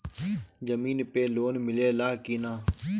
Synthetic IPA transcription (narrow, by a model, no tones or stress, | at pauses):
d͡ʒəmiːnpeːloːnmɪleːlaːɦkiːnaː